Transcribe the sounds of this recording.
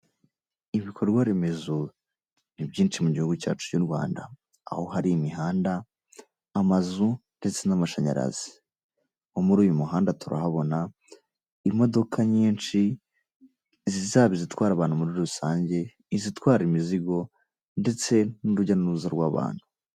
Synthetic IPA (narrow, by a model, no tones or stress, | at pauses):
iβikʰoɾɾɡwaɾe̞me̞zo | nibɟiːnt͡ʃimuɟihuɡuca̰ːt͡ʃu̥coɾɡwa̰ːnda̰ː | ho̞ɦaɾimiɦaːndaː | mazunde̞t͡se̞namaʃaɲa̰ɾa̰zi̥ | omuɾuːjumuɦaːndatuɾa̰haβo̞na | imo̞do̞kʰaɲiːnt͡ʃi | zizaːβizitwaːɾaβaːn̥umuɾiɾusaːɲɟe̞ | izitwaːɾimiziɡo̞ | nde̞t͡se̞nuɾuɟanuɾuzaɾɡwaβa̰ːn̥hu̥